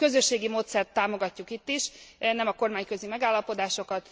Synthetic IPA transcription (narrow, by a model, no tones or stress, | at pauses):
kø̞zø̞ʃːeːɡimoːt̪sɛrt̪ːaːmo̞ɡɒcːukit̪ːiʃnɛmɒko̞rmaːɲkø̞zimɛɡaːlːɒpo̞d̪aːʃo̞kɒt̪